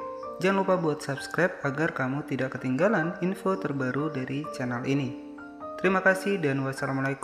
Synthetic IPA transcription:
d͡ʒaŋlupabuat̪sapskɾap̚aɡarkamut̪idaʔkət̪iŋɡalaninfot̪ərbaɾudaɾit͡ʃɛnalini | t̪əɾimakasɪhdanwasalamalaik

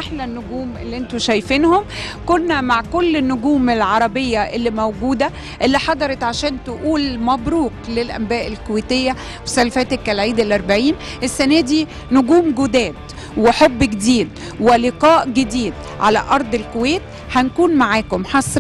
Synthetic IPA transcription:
ʔaħlænːʊɡuːmʔḛlːiʔent̪oʃæjfiːnhom | konːæmaʕkolːenːʊɡuːmelʕɑɾˤɑbejːæʔelːimæwɡuːd̪æ | ʔelːiħɑd̪ˤɑɾˤɑt̪ʕaʃæːnt̪oʔuːlmæbɾuːqlelʔæ̰mbæːʔelkoweːt̪ejːæ | wsælfæːt̪ekːælʕiːd̪elʔæɾˤbaʕiːn | ʔesːænæːd̪iː | nʊɡuːmɡod̪æːd̪ | weħobːɡed̪iːd̪ | weleqɑːʔɡed̪iːd̪ | ʕa̰læ̰ʔɑɾˤd̪ˤelkoweːt̪ | hænkuːnmaʕaːkomħɑsˤ

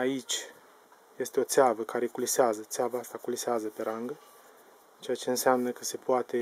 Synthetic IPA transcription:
ait͡ʃʲ | je̞st̪eo̞t̪seavəkaɾe̞kuliseazət̪seavaast̪akuliseazəpe̞ɾaŋɡə | t͡ʃe̞jat͡ʃe̞ɨnseamnəkəse̞poat̪e̞

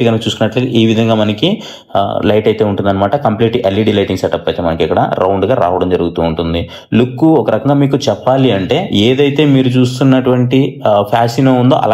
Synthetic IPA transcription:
iɡɐnkɐt͡ʃuːsukunːɐʈlːɡ̪iʔiːʋid̪ʱɐŋɡaːmɐnɐki | lɐjʈɐjt̪e̞ːuɳʈund̪ɐnːɐmaːʈɐkɐmpliːʈiʔelːiɖiːlɐjʈiŋɡsɛʈɐpːɐjt̪e̞ːmɐnɐkɛkːɐɽɐ̰ɾʔɐwɳɖɡaːɾa̰ːʋɐɽɐmd͡ʒɐɾuɡut̪uːɳʈund̪i | lukːuɔkɐɾɐkɐŋɡaːmiːkut͡ʃɛpːaːliɐɳʈe̞ːeːd̪ɐjt̪e̞ːmiːɾut͡ʃuːst̪unːɐʈuʋɐɳʈipʰaːsinoːund̪o̞ːʔɐ̰lː

